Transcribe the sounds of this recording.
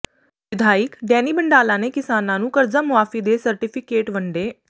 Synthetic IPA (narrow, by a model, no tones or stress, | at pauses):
ʋɪd̪ʱaːɪkɖɛːniːbəɳɖaːlãːneːkɪsaːnãːnũːkəɾd͡ʒaːmʊaːfiːd̪eːsəɾʈɪpʰɪkeːʈʋəɳɖeː